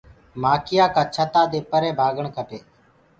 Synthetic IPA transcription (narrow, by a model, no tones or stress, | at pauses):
maːkɪjaːkaːt͡ʃʰət̪aːd̪eːpəɾẽːbʱaːɡəɳkʰəʈeː